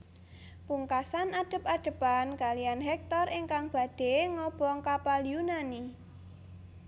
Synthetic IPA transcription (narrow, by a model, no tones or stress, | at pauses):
puŋkasanaɖ̥ə̤p̚aɖ̥ə̤pankalijanɦɛk̚t̪ɔrʔeŋkaŋb̥a̤d̥e̤ŋɔb̥ɔŋkapaljunani